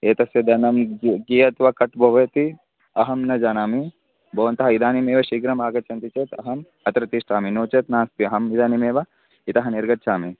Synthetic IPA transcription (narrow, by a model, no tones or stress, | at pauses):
eːt̪ɐsjɐd̪ɐnɐmɡijɐt̪ʋɐkɐʈbʱɐʋɐt̪i | ɐɦɐmnɐd͡ʒaːnaːmi | bʱɐʋɐnt̪ɐɦɐid̪aːnimeːʋɐʃiɡɾɐmaːɡɐt͡ʃɐnt̪it͡ʃeːt̪ɐɦɐm | ɐt̪ɾɐt̪iːʂʈaːminoːt͡ʃɐt̪naːst̪iɐɦɐmid̪aːnimeːʋɐ | it̪ɐɦɐniɾɡɐtːt͡ʃʰaːmi